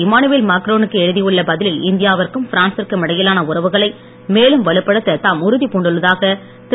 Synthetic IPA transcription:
ɪmaːnɯʋeːlmaːkɾoːnɯkːɯɛɻɯðijɯɭːɐbɐðɪlɪlɪnd̪ɪjaːʋɐrkɯmfɪɾaːnsɪrkːɯmɪɽɐjɪlaːnɐʊɾɐʋɯɣɐɭɐɪ | meːlɯmʋɐɭɯpːɐɽɯt̪ːɐt̪aːmʊɾʊðipuːɳɖɯɭːɐðaːɣɐ | t̪

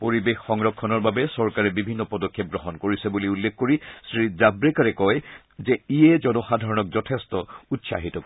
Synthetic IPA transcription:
poɹibexːɔŋɹɔkʰːɔnɔɹbabɛsɔɹkaɹɛbibʱinːɔpɔdɔkʰːep̚ɡɹɔɦɔnkoɹisɛbuliulːekkoɹisɹizabɹekaɹɛkɔj | zɛijɛzɔnɔxadʱaɹɔnɔk̚zɔtʰestɔutsa̰ɦitɔk

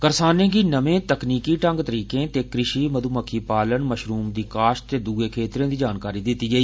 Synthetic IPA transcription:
kəɾsaːnẽːɡiːnəʋẽːt̪əkniːkiːʈə̃ŋɡt̪əɾiːkẽːt̪eːkɾɪʃiːməd̪uːməkʰːiːpaːlənməʃɾuːmd̪iːkaːʃt̪eːd̪uɡeːkʰeːt̪ɾẽːd̪iːd͡ʒaːnkaːɾiːd̪ɪt̪ːiːɡəiː

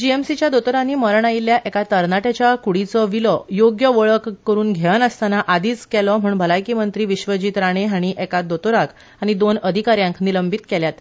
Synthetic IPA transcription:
d͡ʑiemsit͡ɕjad̪ot̪oɾãnːiːməɾɳailjaʔɛkat̪əɾnaʈat͡ɕjakuɽit͡sɔʋilɔjoɡjəʋəɭəkːəɾuːnɡʱɛɭənəst̪anaʔad̪iːt͡skɛlɔm̤uːɳbʱəlajkiːmənt̪ɾiːʋiɕʋəd͡ʑiːt̪ɾaɽ̃eɦaɽ̃iʔɛkad̪ot̪oɾak | aɽ̃id̪onəd̪ʱikaɾjãŋkniləmbit̪kɛljat̪

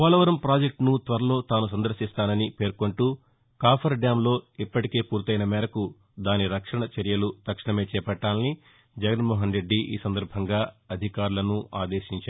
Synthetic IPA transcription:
ʋaːlɐʋɐɾɐmpɾaːd͡ʒek̚ʈnut̪ʋɐɾɐlo̞ːt̪aːnus̬ɐnd̪ɐɾʃist̪aːnɐnipe̞ːɾko̞ɳʈuː | kaːpʰɐɾɖjaːmlo̞ːipːɐʈike̞ːpuːɾt̪ɐjnɐmɛːɾɐku | d̪aːniɾɐkʂɐɳɐt͡ʃɐɾijɐlut̪ɐkʂɐɳɐme̞ːt͡ʃɛːpɐʈːaːnni | d͡ʒɐɡɐnmɔːɦɐnɾe̞ɖːiʔḭːsɐnd̪ɐɾbʱɐŋɡaːɐd̪ʱikaːɾulɐnuaːd̪e̞ːʃiɲt͡ʃaː

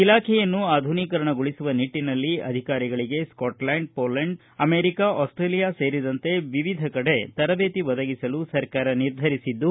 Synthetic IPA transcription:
ilaːkʰɛjɐnːuaːd̪ʱuniːkɐɾɐɳɐɡuɭisuʋɐniʈːinɐlːiɐ̰d̪ʱikaːɾiɡɐɭiɡe̞skɔːʈlaːɳɖ̚poːlɐɳɖ | ɐmeːɾikaʔɔːsʈɾeːlijase̞ːɾid̪ɐnt̪e̞ʋiʋid̪ʱɐkɐɽe̞t̪ɐɾɐʋeːt̪iʋɔd̪ɐɡisɐlusɐɾkaːɾɐniɾd̪ʱɐɾisid̪ːu

